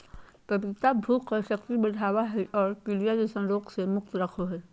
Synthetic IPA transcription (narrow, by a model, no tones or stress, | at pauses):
pɐbɪt̪abʱuːqʃɐkt̪ibɐɽʱaːwaɦɛʔɔːɾkɪlijad͡ʒesə̃nɾoːqsemʊkt̪ɾɐkʰoɦɛː